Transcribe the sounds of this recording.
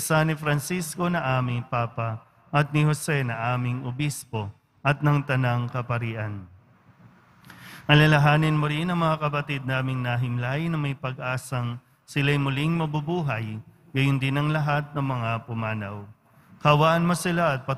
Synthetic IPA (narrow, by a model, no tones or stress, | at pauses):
sanɪfɾɐnsisko̞nɐʔaːmɪŋpaːpɐ | ʔɐt̪̚nɪhosɛnɐʔaːmɪŋʊbispo̞ | ʔɐt̪̚nɐŋt̪ɐnɐŋkɐpɐɾiːʔɐn | ʔɐlɐlɐɦaːnɪnmoɾinɐŋmɐŋakɐpɐt̪id̪̚naːmɪŋnɐɦɪmlajnɐŋmɐjpɐɡʔaːsɐŋ | sɪlɐjmʊliŋmɐbubuːɦɐj | ɡɐjʊnd̪ɪnɐŋlɐɦat̪̚nɐŋmɐŋapʊmaːnɐ̰w | kɐwaʔɐnmosɪlaɐt̪̚pɐ